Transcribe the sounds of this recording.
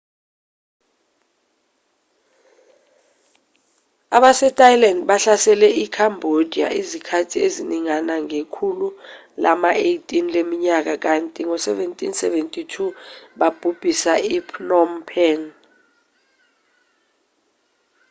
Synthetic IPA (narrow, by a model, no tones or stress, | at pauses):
aɓasɛtʰʼajilandɓaɬasɛlɛikʰambʱod̥ʱia̰izikʰatʰieziniŋanaŋekʰulu | la̰maejtʼinlemiɲak̬ak̬antʼiŋɔsɛvɛntʼinsɛvɛntʼitʰuɓab̥ʱub̥ʱisaipʰnɔmpʰɛn